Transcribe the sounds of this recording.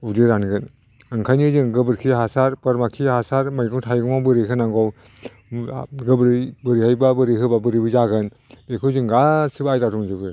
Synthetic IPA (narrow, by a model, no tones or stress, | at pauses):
udiɾanɡɯn | ɯŋkʰajnizɯŋɡɯbɯɾkʰiɦasaɾpɐɾmakʰihasaɾmajɡɯŋtʰajɡɯmabɯɾeɦɯnaŋɡɔw | ɡɯbɾbɯɾihajbabɯɾiɦɯbabɯɾibɯzaɡɯn | bekʰɯzɯŋɡasɯbajɾaduŋd͡ʒɯbɯ